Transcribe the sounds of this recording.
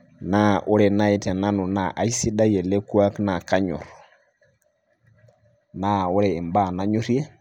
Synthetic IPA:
na˦ʔʊ˦ɾɛ˨na˦i˦tɛ˨na˦nu˨na˨ʔa˨i˦si˦ɗa˦jɛ˨lɛ˦ku˦a˦kna˨ka˦ɲɔ̰˨ɾ | na˦˨ʊ˦ɾɛː˨mba˦˨na˦ɲu˦ɾi˦ɛ˦

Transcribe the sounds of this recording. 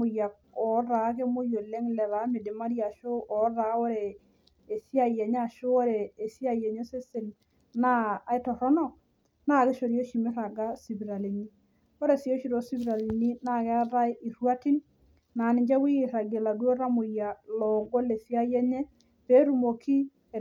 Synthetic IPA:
mʊ˨ja˨k | ɔ˨ɾa˨˦ke˦mo˦jo˨le˦ŋlɛ˨ɾa˨˦mɪ˨dɪ˨ma˦ɾja˨ʃo˦ʔɔ˨˦ɾa˨˦ɔ˦ɾɛː˨ | sja˨jɛ˨ɲ˦a˦˨ʃo˦ɔ˦ɾɛː˨sja˦˨jɛ˨ɲɛ˦se˦se˨n | naː˦˨˦ɪ˦tɔ˨ɾɔ˦nɔ˦ | na˦ke˦ʃo˨ɾjo˦ʃi˨mɪ˦ɾa˨ɡa˦si˨βi˨ɾa˨li˨ni˦ | ɔ˦ɾɛ˨sjo˦ʃi˨ɾo˦si˦βi˨ɾa˨li˨ni˦na˦˨kɛ˦ɾa˦ɪ˦ʔi˨ɾwa˦ti˦n | naː˨nɪ˨d͡ʒɛ˦wi˦˨ɾa˨ɡe˨la˨ɡu˦o˦ɾa˦mʊ˨ja˨lɔ˨ɡo˦le˨sja˦jɛ˦ɲɛ˦ | pe˦ɾu˨mo˨ki˦˨

